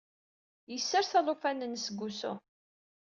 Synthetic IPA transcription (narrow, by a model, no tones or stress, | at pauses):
jəsːəɾθæðˤʊfænənsəɡʷːusʊ̰